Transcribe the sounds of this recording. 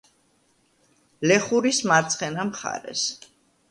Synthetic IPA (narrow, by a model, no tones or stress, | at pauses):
lɛχuɾismaɾt̪sʰχɛnamχa̰ɾɛ̰s